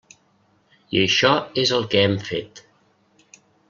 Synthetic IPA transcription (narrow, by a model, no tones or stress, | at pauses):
iəʃɔezəlˠkɛɛmfet̪